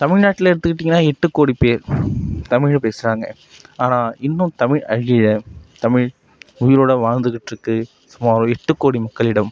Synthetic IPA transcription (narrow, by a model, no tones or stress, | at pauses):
t̪ɐmɪɻnaːʈːɪlɐɪɽɯt̪ːɯkːɪʈːiŋɡnːaːɛʈːɯkːoːɽipeːɾt̪ɐmɪɻpeːsɯɾaːŋɡɐ̰ | aːnaːɪnːʊ̃t̪ɐmɪɻɐ̰ɻɪjɪɻɐt̪ɐmɪɻ | ʊjɪɾoːɽɐʋaːɻnd̪ɯɣɪʈːɾɯkːɯ | sʊmaːɾʊ̃ɛʈːɯkːoːɽimɐkːɐɭɪɽɐm